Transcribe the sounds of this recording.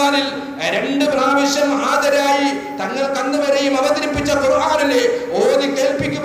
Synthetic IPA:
aːnil | ɾe̞ɳɖɨpraːʋiɕjɐmːɐɦaːd̪ɐɾaːji | t̪ɐŋːɐɭkɐnd̪ɐʋɐɾejumɐʋɐd̪ɐɾipːit͡ɕːɐkuɾuʋaːɾɐlːeoːðike̞ːlpikʲːu

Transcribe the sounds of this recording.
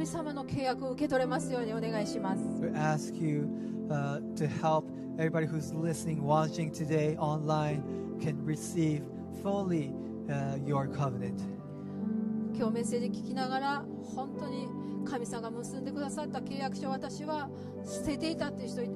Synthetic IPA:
mʲisamano̞kʰe̞ːjakɯo̞ɯ̟ke̞t̪o̞ɾe̞masɨjo̞ːɲ̟io̞ne̞ɡaiɕimasɨ̥wiæskʰjɨ | tʰɨhɛlˠp | ɛvɹibɑɾihuzlɪsnɪ̃ŋwɑt͡ʃɪ̃ŋtʰɨdeɪʔɑ̃nlãɪ̃n | kʰɨ̃nɹisiv̥ | fʊlˠi | jə˞kʰʌvnɨ̃nt | kʲo̞ːmẽ̞seʑikʲi̥kʲinaɣaɾa | hõ̞nt̪o̞ɲ̟i | kʰamʲisamaɡamɯsɨ̃nd̪e̞kɯd̪asat̪ːake̞ːjakɯ̟̥ɕoːβat̪aɕiβa | sɨ̥se̞t̪e̞it̪at̪ːei̟çt̪oi

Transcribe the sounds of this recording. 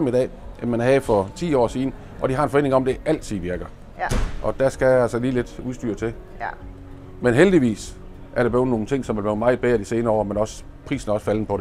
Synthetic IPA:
mid̥ɛ̰ːemmænæhɛfɒ̽t͡sʰḭːɒ̰ːsiːn̩ | ʔɒ̽d̥ihɑ̈e̝nfɒ̽e̝ːne̝ŋɒ̽md̥e̝ʔæl̰t͡sʰiðˠʋiɐɡ̥ɐ | ʔɒ̽d̥æsɡ̥æjæælsəliːle̝d̥uðˠsd̥y̰ːɐt͡sʰe̝ | menɦeld̥iʋḭːs | ʔæɐɾeb̥le̝ːðˠno̝ːn̩t͡sʰe̝ŋ̰sɒ̽mʋe̝lʋɛːmɑ̈ɪð̩ˠb̥eːɐdise̝ːnɐɒ̰ːmenɒ̽s | pʰʁḭːsn̩æɒ̽sfæln̩əpʰɒ̽d̥e̝

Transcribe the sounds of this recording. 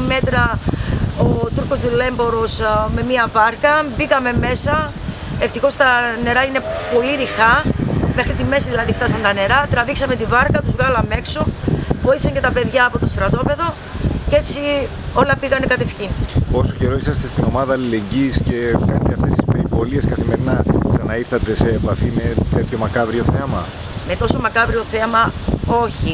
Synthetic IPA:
me̞t̪ɾɐ | ot̪uɾko̞zðule̞mbo̞ɾo̞sme̞miɐvɐɾkɐbikɐme̞me̞sɐ | eft̪ixo̞st̪ɐne̞ɾɐine̞po̞liɾixɐme̞xɾit̪ime̞siðilɐðift̪ɐsɐnt̪ɐne̞ɾɐt̪ɾɐviksɐme̞t̪ivɐɾkɐt̪uzɣɐlɐme̞kso̞voiθisɐɲce̞t̪ɐpe̞ðʝɐːpo̞t̪ost̪ɾɐt̪o̞pe̞ðo̞ | ce̞t͡si | o̞lɐpiɣɐnekɐt̪e̞fçinpo̞so̞ce̞ɾo̞isɐst̪e̞st̪ino̞mɐðɐːlile̞ɲɟisce̞pent̪iɐft̪est̪i̥speɾipo̞lie̞skɐθime̞ɾinɐksɐnɐiɾθɐt̪e̞se̞ːpɐθime̞t̪et̪ço̞mɐkɐvɾio̞θeɐmɐ | me̞t̪o̞so̞mɐkɐvɾio̞θe̞mɐo̞çi

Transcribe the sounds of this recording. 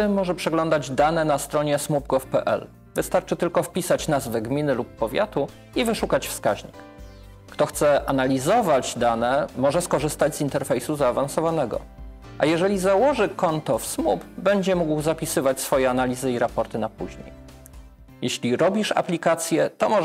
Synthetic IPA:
mɔʐɛpʂɛɡlɔnd̪ad͡ʑd̪anɛnast̪ɾɔɲɛsmubɡɔfpɛʔɛ̰l | vɘst̪aɾt͡ʂɘt̪ɘlkɔfpʲisat͡ɕnazvɛɡmʲinɘlupːɔvʲja̰t̪u | ivɘʂukat͡ɕfskaʑɲḭkː | t̪ɔxt̪sɛʔanalʲizɔvad͡ʑd̪anɛmɔʐɛskɔʐɘst̪ad͡ʑʲzint̪ɛɾfɛjsuzaːvansɔvanɛɡɔ̰ | ʔa̰jɛʐɛlʲizawɔʐɘkɔnt̪ɔfsmupbɛɲd͡ʑɛmuɡwzapʲisɘvat͡ɕsfɔjɛanalʲizɘiɾapɔɾt̪ɘnapuʑɲḛj | jeɕlʲiɾɔbʲiʂa̰plʲikat̪sʲjɛt̪ɔmɔ

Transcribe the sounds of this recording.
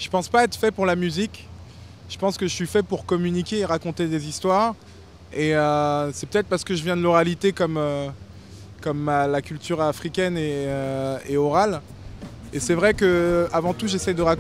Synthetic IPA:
ʒ̥əpɑ̃spaɛt̪χəfɛpuʁlamyzikʲ | ʒ̥əpɑ̃skəʒəsɥifɛpuʁkɔmynikʲeːʁakɔ̃t̪ed̪ezist̪waʁ | eøsɛpø̥t̪ɛt̪χpaʁsə̥kəʒəvjɛ̃d̪əlɔʁalit̪ekɔmø | kɔmalakʲylt̪yʁafχikʲɛneøeɔʁal | esɛvʁɛkəavɑ̃t̪uʒesɛjd̪əʁak

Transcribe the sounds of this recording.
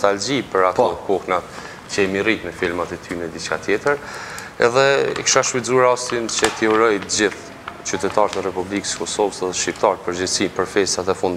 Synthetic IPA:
t̪ald͡ʑipəɾat̪ɔkɔhnat̪ | t͡ɕɛɛmirit̪mɛfilmat̪ɛt̪ʰynɛd̪it͡ʃka̰t̪jɛt̪əɾ | ɛ̰ðɛḭkʃaʃwizuaɾast̪int͡ɕət̪iuɾɔjd͡ʑiθ | t͡ɕyt̪ɛt̪aɾt̪ɛrɛpublikə̥skɔsɔvəsɛðɛʃcip̚t̪aɾ̚pəɾd͡ʑɛsipəɾfɛst̪at̪ɛfund̪

